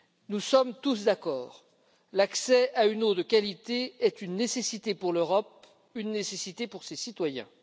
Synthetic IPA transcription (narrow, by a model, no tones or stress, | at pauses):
nusɔmt̪us̬d̪akɔ̰ːʁ | laksɛaynod̪əkʲalit̪eɛt̪ynːesesit̪epuʁløʁɔp̚ | ynːesesit̪epuʁsesit̪wajɛ̰̃